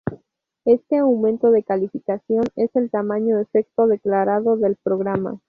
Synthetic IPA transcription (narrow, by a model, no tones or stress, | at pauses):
e̞st̪e̞awmẽ̞nt̪o̞ðe̞kalifikasjo̞ne̞se̞lt̪amãɲo̞efe̞k̚t̪o̞ðeklaɾaðo̞ðe̞lpɾo̞ɣ̞ɾama̰